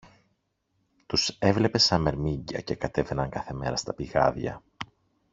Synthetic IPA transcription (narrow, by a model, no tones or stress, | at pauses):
t̪use̞vle̞pe̞sɐme̞ɾmiɲɟɐ̰ce̞kɐt̪e̞ve̞nɐŋkɐθe̞me̞ɾɐst̪ɐpiɣɐ̰ðʝɐ̰